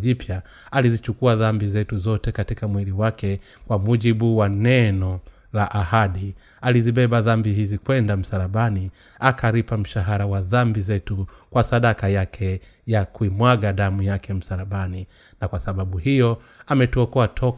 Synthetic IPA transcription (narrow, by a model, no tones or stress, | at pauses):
ʄipʰja | alizit͡ʃukuaðambizɛtuzɔtɛkatikamwiliwakɛ | kwamuʄiɓuwanɛnɔ | laʔahaɗi | aliziɓɛɓaðambihizikwɛndam̩saɾaɓani | akʰaɾipam̩ʃaɦaɾawaðambizɛtukwasaɗakajakʰɛ | jakuimwaɡaɗamujakɛm̩saɾaɓani | nakwasaɓaɓuhijɔ | amɛtuɔkɔatʰɔk